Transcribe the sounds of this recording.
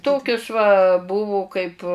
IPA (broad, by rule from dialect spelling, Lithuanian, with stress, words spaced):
ˈtoːkʲʊs ʋɐ ˈbʊʋʊ kɐɪp